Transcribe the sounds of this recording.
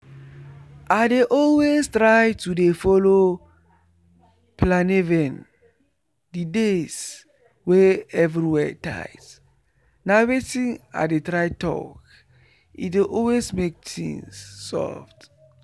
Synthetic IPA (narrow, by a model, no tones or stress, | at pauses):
ʔadeʔɔlwestɹajtudefɔlo | planevɛ̃n | dides | wɛɛvɹiwɛta̰jt | nawetĩna̰detɹajtɔ̰k | ḭdeʔɔlwesmek̚tḭ̃nsːɔ̰ft